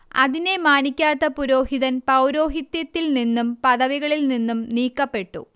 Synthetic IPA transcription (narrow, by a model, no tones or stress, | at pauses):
ɐ̰ðine̞maːnikʲːaːt̪ːɐpuɾo̞ːɦiðɐnpɐwɾo̞ːɦit̪jɐt̪ːilninːumpɐðɐʋiɣɐɭilninːumniːkːɐpːe̞ʈːṵ